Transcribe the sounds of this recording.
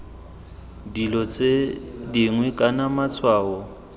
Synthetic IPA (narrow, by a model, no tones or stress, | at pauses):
dilɔt͡sʼediŋwɛkʼanamat͡sʰwaːɔ